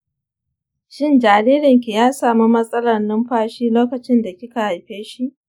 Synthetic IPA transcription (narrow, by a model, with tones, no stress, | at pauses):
ʃɪ˦nd͡ʒaː˨ɾiː˦ɾɪ˨ŋk̬ʲi˨jaː˦saː˨mu˦mɐ˦sʼɐ˦lɐ˨rnɪ˦mɸaː˦ʃiː˦loː˦kɐ˨t͡ʃɪ˦nda˨kʲɪ˦ka˨ha˨jɸeː˦ʃi˦ʔ